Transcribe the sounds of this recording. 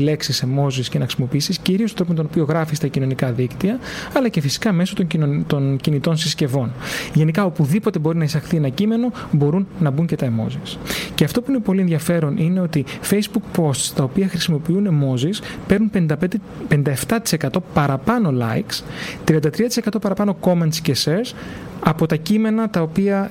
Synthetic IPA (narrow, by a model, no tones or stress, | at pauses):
ile̞ksisemo̞ziscenɐxɾisimo̞piisisciɾiost̪oɾoomet̪onopio̞ɣɾɐfist̪ɐcino̞nikɐðikt̪iɐɐlɐce̞fisi̥kɐme̞sot̪oot̪oncinit̪o̞nsisce̞vo̞nʝe̞nikɐo̞puðipo̞t̪e̞bo̞ɾinɐisɐxθie̞nɐcime̞no̞bo̞ɾunːɐbuɲcet̪ɐemo̞̰zisce̞ɐft̪o̞puine̞po̞lieðʝɐfe̞ɾo̞nʔine̞o̞t̪ife̞jzbukpo̞st̪st̪ɐopiɐxɾisimo̞piune̞mo̞zispe̞ɾnunped̪ɐed̪ | pend̪ɐe̞ft̪ɐt̪i̥se̞kɐt̪o̞pɐɾɐpɐno̞lɐ̰ikst̪ɾiɐnd̪ɐt̪ɾiɐt̪ise̞kɐt̪opɐɾɐpɐno̞ko̞ment̪sceseɾsɐpo̞t̪ɐcime̞nɐt̪ɐo̞piɐ